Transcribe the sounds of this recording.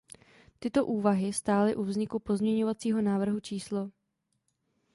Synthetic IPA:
t̪ɪt̪o̞ʔuːvaɦɪst̪aːlɪʔuvzɲɪkupo̞zmɲɛɲo̞vat͡siːɦo̞naːvr̩ɦut͡ʃiːslo

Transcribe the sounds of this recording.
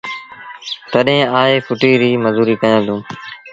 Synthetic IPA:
t̪əɗɦẽːaːɦeːfʰʊʈiːɾiːməzuːɾiːkəjãːd̪ũː

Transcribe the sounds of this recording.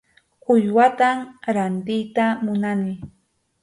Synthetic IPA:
ʊʎwat̪amɾant̪ɪjt̪amʊnanɪ

